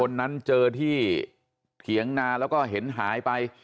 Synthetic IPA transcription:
o˧nːa˦˥nt͡ɕɤː˧t̪ʰiː˥˩ | t̪ʰi˩˦əŋnaː˧lɛː˦˥wkɔː˥˩ɦe˩˦nɦaː˩˦jpa˧j

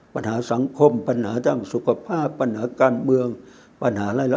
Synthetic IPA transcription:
pa˧nhaː˩˦sa˩˦ŋkʰo˧mpa˧nhaː˩˦t͡ɕaː˧˩ŋsu˨˧˦kʰa˧pʰaː˥˩pːa˧nhaː˩˦kaː˧nmɯ˧əŋ | pa˧nhaː˩˦laː˧˩la˦

